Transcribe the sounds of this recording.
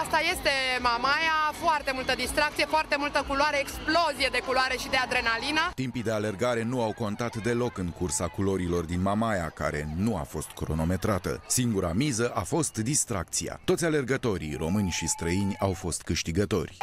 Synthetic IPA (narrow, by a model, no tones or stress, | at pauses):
ast̪aje̞st̪e̞mamajafoart̪e̞mult̪əd̪ist̪ɾakt̪sijefoart̪e̞mult̪əkuloaɾeeksplo̞zijed̪e̞kuloaɾeʃid̪ead̪ɾe̞nalinat̪impid̪e̞ale̞rɡaɾe̞nuawko̞nt̪at̪d̪e̞lo̞kɨŋkursakulo̞ɾilo̞rd̪inmamajaka̰ɾe̞̰nua̰fo̞st̪kɾo̞no̞me̞t̪ɾat̪ə̰siŋɡuɾamizəʔafo̞st̪d̪ist̪ɾak̚t̪sija̰t̪o̞t̪sʲale̞rɡət̪o̞ɾḭro̞mɨnʲʃist̪ɾəinʲawfo̞st̪kɨʃt̪iɡət̪o̞̰rʲ